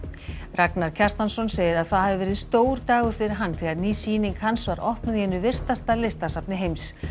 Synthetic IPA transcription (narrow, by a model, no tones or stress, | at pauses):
raknaɾ̥cʰɛr̥st̪ansɔnseːjɪɾaðθaðhavɪvɛːɾɪðst̪oːwɾt̪aːɣʏɾ̥fɪɾɪɾ̥ɦanːθʰɛɣaɾniːsiːniŋkhansvaɾʔɔhpnʏðhɛnːʏvɪr̥t̪ast̪alɪst̪asapnɪɦejms